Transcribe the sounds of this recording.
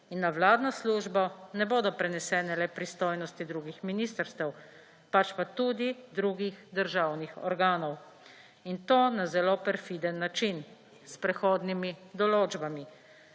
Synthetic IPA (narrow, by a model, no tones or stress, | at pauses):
inːawlaːd̪nasluːʒbɔnɛboːd̪ɔpɾɛnɛsɛːnɛlɛpɾist̪oːjnɔst̪id̪ɾuɡixminist̪əɾst̪ɛw | pat͡ʃpat̪uːd̪id̪ɾuɡixd̪əɾʒawnixɔ̰ɾɡaːnɔw | int̪oːnazɛloːpɛɾfid̪ənːat͡ʃin | spɾɛxoːd̪nimid̪ɔloːd͡ʒbami